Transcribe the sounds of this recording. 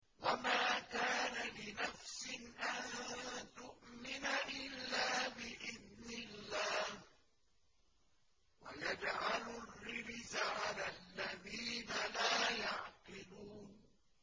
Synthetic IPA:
wamaːkaːnalɪnafsɪnʔant̪ʊʔmɪnaʔɪlːaːbɪʔɪðnɪlːaːh | wa̰jad͡ʒʕalʊrːɪɾzaʕalalːaðiːnalaːjaʕqɪluːn

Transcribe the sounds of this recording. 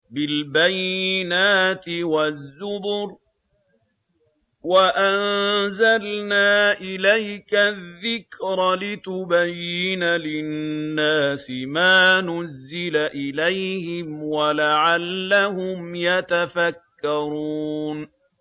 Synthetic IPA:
bɪlbajɪnaːt̪ɪwazːʊbɾ | waʔanzalnaːʔɪlajkaðːɪkɾlɪt̪ʊbajːɪnalɪnːaːsɪmaːnʊzːɪlaʔɪlajhɪmwalaʕalːahʊmjat̪afakːɑɾuːn

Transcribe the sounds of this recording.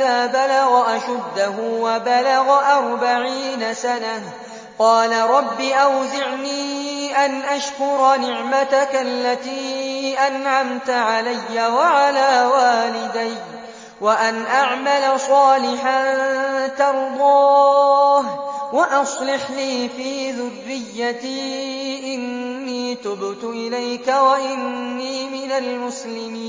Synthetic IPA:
aːbalaɣaʔaʃad̪ːahʊwabalaɣaʔɑɾˤbaʕiːnasana | qɑːlaɾˤɑbːiːʔawzɪʕniːʔanʔaʃkʊɾˤnɪʕmat̪akalːat̪iːʔanʕamt̪aʕalajːawaʕalaːwaːlɪd̪aj | waʔanʔaʕmalasˤɑːlɪħant̪ɑɾˤd̪ˤɑː | hwaʔɑsˤlɪħliːfiːðʊrːɪjːat̪iːʔɪnːiːt̪ʊbt̪ʊʔɪlajkawaʔɪnːiːmɪnalmʊslɪmiː

